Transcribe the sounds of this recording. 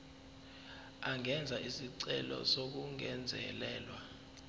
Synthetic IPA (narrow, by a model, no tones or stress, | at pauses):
aŋɛnd͡zʱaʔisiǀɛlɔ̰sok̬uŋɛnd͡zʱɛ̰lɛːlwa